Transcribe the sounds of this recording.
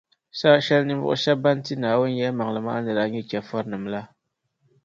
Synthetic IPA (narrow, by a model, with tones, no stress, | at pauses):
sa˦ʃɛ˦lni˦mvʊ̰˦ʔʊ̰˦ʃa˦ba˦n˦ti˦naː˨wʊ˦n˦jɛ˦ma˨ŋlɨ˨ma˦ʔa˦nɨ˨ɾa˨˦ɲɛ˦kɛ˨fɔ˦ɾnɨ˨mla˦